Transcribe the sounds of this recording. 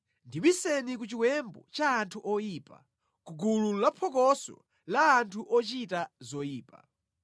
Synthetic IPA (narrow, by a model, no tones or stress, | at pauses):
ndiɓisɛnik̬ut͡ʃiwɛmbɔ̰t͡ʃaːntʰuʔɔjiːpa̰ | kuɡululapʰɔkɔsɔ̰ | laːntʰuʔɔt͡ʃitazɔjiːpa̰